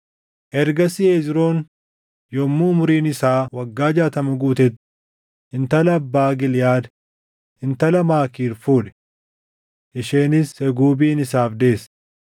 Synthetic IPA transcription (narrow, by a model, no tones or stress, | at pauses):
ʔɛɾɡɐsɪeːzɪɾo̞ːn | jɔmːʊʊmʊɾiːnɪsaːwɐɡːaːd͡ʒaːt̪ɐmʊɡuːt̪ɛt̪ | ɪnt̪ɐlːbːaːɡɪljaːd̪ | ɪnt̪ɐlɐmaːkiːɾfuːᶑɛ̥ | ʔɪʃeːnɪsɛɡuːbiːnɪsaːfd̪e̞ːs